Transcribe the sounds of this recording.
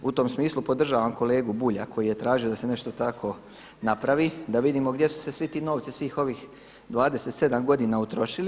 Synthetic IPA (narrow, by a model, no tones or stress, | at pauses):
ut̪o̞msmiːslˠupo̞d̪r̩ʒaːʋamko̞le̞ːɡubuʎakʰo̞jije̞t̪ɾaːʒiod̪ase̞ne̞ʃt̪o̞t̪akʰo̞ | napɾaʋid̪aʋid̪iːmo̞ɡd̪je̞su̥se̞sʋit̪iːno̞ːʋt̪sisʋiːxo̞ʋiːx | d̪ʋaːd̪e̞se̞t̪se̞d̪amɡo̞d̪iːnaut̪ɾo̞ʃili